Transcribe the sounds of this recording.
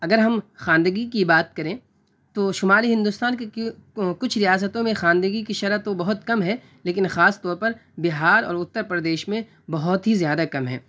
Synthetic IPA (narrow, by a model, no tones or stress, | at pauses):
ɐɡəɾɦɐmxaːnd̪əɡikibaːt̪̚kɐɾẽ | t̪oʃʊmaːliɦɪ̃nd̪ʊst̪aːnkekʊt͡ʃʰɾijaːs̬ət̪õmẽxaːnd̪əɡikiʃɐɾət̪obɐɦʊt̪kɐmɦɛː | leːkɪnxaːst̪ɔːɾpɐɾbɪɦaːɾɔ̰ːɾʊt̪ːəɾpɾɐd̪eːʃmẽ | bɐɦʊt̪ɦizjaːd̪akɐmɦɛ̰ː